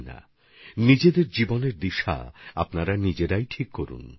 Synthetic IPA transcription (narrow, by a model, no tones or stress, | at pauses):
na̰ | nid͡ʑed̪eɾd͡ʑiboneɾd̪iʃa̰a̰pnaɾanid͡ʑeɾajʈʰikːoɾṵn